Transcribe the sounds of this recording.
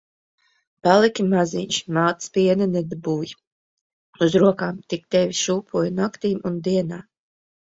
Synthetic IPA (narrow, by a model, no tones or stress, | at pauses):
palˠikʲimaziɲʲʃmaːt̪spʲiɛnɛnɛd̪abuːj | uzɾuɔkaːmt̪ikt̪ɛvʲiʃuːpʰuɔjnakt̪iːmund̪iɛnaː